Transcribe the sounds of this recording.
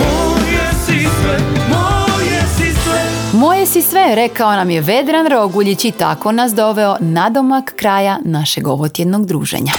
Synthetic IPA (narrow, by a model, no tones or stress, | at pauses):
mojesisʋɛmojesisʋɛmo̞jesisʋeɾe̞kao̞namje̞ʋe̞d̪ɾanɾo̞ɡuʎit͡ɕit̪a̰ko̞nas̬d̪o̞ʋeo̞nad̪omakːɾaːjanaʃeɡo̞ʋot̪jed̪noɡd̪ɾuːʒḛɲa